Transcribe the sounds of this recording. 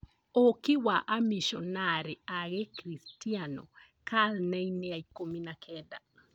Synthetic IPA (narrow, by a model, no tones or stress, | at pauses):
okiwaʔamiʃɔnaɾeaɣekɾistianɔ̰ | kaðnɛineaikominakʰɛda